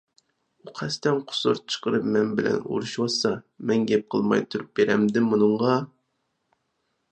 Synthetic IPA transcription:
uqʰæst̪ɛnqʰʊ̥suɾt͡ʃʰə̥qəɾɨpmɛnbɪlɛ̰nṵɾuʃwɑsɑmɛnɡʲɛp̚qʰəlˠmɑ̰jt̪ʰuɾup̚beɾɛmd̪ɪmunɨɴʁɑ

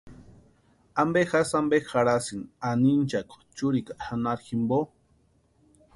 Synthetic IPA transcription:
ambexasambexaɾasinanint͡ʃako̥t͡ʃuɾikaxanaɾximbo

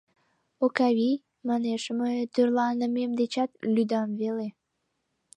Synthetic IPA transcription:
okɑβij | mɑneʃməjt̪yrlɑnəmemd̪et͡ɕɑt̪lyd̪ɑmvele

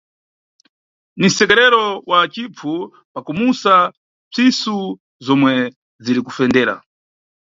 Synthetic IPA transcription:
nisɛkɛɾɛɾɔwat͡ʃip͡fʰu | pakumusa | b͡ʐisu | zɔmwɛ | ziɾikufɛndɛːɾa̰

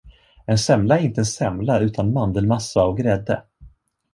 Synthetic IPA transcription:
ɛnsɛmlaæɾɪnt̪əɛnsɛmlaʉ̟ːt̪ʰanmand̪əlmasːaɔvɡɾɛd̪ːə̰

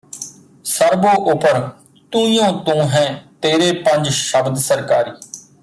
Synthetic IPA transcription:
səɾboːʔʊpəɾ | t̪uːijõːt̪ũːɦɛ̃ːt̪eːɾeːpəɲd͡ʒʃəbd̪səɾkaːɾiː

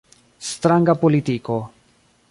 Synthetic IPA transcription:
st̪ɾaŋɡapolit̪iko

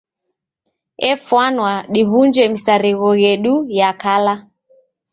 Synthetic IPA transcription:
ɛfwanwaɗiβund͡ʒɛmisaɾiɣɔɣɛɗujakala

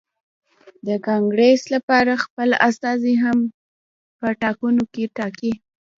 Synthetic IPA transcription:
d̪əkɑŋɡɾeslapɑɾaxpəlast̪ɑziɦam | pəʈɑkunokeʈɑki

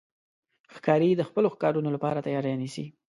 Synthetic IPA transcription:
xkɑɾid̪əxpəloxkɑɾunolapɑɾat̪ajɑɾjɑnisḭ

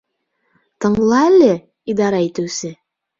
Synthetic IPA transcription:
t̪ɤ̆ɴlˠɑælʲɘ | id̪ɑɾɑit̪ɘ̆wsɘ

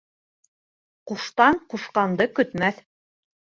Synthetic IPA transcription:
quʃt̪ɑɴquʃqɑnd̪ɤkɵ̆t̪mæθ

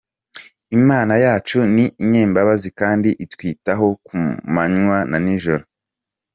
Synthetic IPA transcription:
imaːnajaːt͡ʃuniːɲeːmbaβazikaːndiʔitwiːtaɦo̞kumaɲwananiʒo̞ɾo

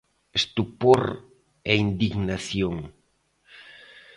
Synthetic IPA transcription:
est̪upoɾ | ɛind̪iɣnaθjoŋ

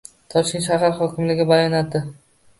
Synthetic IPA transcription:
t̪ʰɒʃkʲɪnʃ̬aɦaɾχɒkʲʰɪmlɪɡʲɪbajɒnad̪ɪ

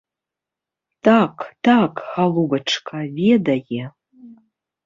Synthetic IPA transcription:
takt̪akɣalˠubɐʈ͡ʂʰkʰʼavʲed̪ajʲɛ

